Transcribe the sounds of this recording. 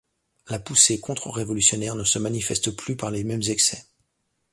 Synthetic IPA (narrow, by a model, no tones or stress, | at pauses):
lapusekɔ̃t̪χəʁevɔlysjɔnɛʁnəsəmanifɛst̪plypaʁlemɛmzɛksɛ